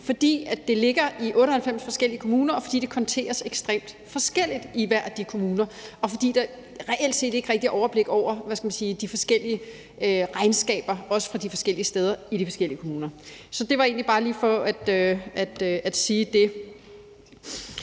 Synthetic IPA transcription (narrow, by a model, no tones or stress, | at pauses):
fɒ̽d̥ḭːæd̥e̝le̝ɡ̥ɐʔiʔɔ̽ːɾ̥əhælfem̰sfɒ̽sɡ̥el̰iəkʰo̝muːnɐɒ̽fɒ̽d̥ḭːd̥e̝kʰɒ̽nt͡sʰe̝̰ːɐseɡ̥sd̥ʁḛːmd̥ | fɒ̽sɡ̥el̰id̥iʋæɐ̰d̥ikʰo̝muːnɐɒ̽fɒ̽d̥ḭːd̥ɑ | ʁɛʔel̰d̥se̝̰ːd̥e̝ɡ̥ʁɛɡ̥̚d̥iʔɒʊɐb̥le̝ɡ̥ɒʊ̰ɐʋæskæmænsiːd̥ifɒ̽sɡ̥el̰iə | øʁɑ̈ɪnsɡ̥ɛ̰ːb̥ɐɒ̽sə̥fʁɑ̈d̥ifɒ̽sɡ̥el̰iəsd̥eːð̞ˠɐiɾifɒ̽sɡ̥el̰iəkʰo̝muːnɐ | sɒ̽d̥e̝ʋɑ̈e̝ːnlib̥ɑ̈ːliːfɒ̽æd̥øæd̥æd̥siːd̥e̝